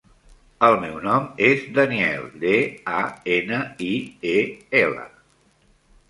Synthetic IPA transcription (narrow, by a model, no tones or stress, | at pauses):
əlˠmɛwnɔmezd̪əniɛ̰lˠd̪eaenəieɛlə̰